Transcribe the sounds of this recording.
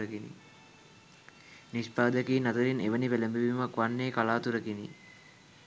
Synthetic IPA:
əkenḭ | nispaːd̪əkiːnat̪əɾineʋənipeləmbəʋimakʋanːeːkalaːt̪uɾəkenḭ

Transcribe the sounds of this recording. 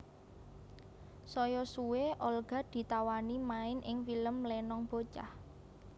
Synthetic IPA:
sɔjɔsuweʔɔlɡ̥a̤d̪̥i̤t̪awanimaɪnʔɪŋfiləmlɛnɔŋb̥o̤t͡ʃa̰h

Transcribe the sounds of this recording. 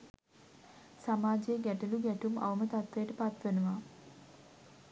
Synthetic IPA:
samaːd͡ʒejəɡæʈuluɡæʈuma̰ʋəmət̪at̪ʋejəʈəpat̪ʋenuʋa

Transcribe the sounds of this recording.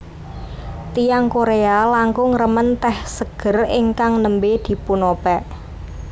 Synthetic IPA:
t̪ijaŋkoɾealaŋkʊŋrəmənt̪ɛhsəɡ̥ə̤rɪŋkaŋnəmbed̪̥i̤punopɛʔ

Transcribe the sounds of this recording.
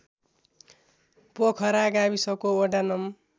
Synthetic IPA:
pokʰʌɾaɡabisʌkooɖanʌm

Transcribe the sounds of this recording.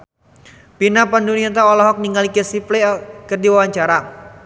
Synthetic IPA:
pinapanduniant̪aɔlɔɦɔk̚niŋalikəsiplekərdiwawaɲt͡ʃaɾa

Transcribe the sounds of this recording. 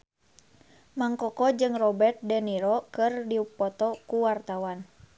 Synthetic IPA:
maŋkɔkɔd͡ʒɨŋrɔbɛrt̪̚dɛniɾɔkɨrdiupːɔt̪ɔkuwart̪awan

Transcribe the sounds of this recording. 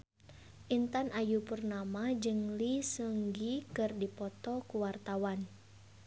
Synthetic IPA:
ʔint̪anʔajupərnamad͡ʒɨŋlisəŋɡikɨrdipɔt̪ɔkuwart̪awan

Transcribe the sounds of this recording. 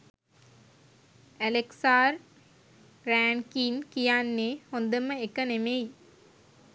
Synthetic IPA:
æleksaːɾ | ɾæːɳkiːnkijaːnːeːhond̪əməekənemej

